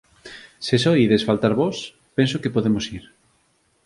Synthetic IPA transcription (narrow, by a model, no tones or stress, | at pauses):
sesojiðesfalt̪aɾβɔs | pensokepoðemosiɾ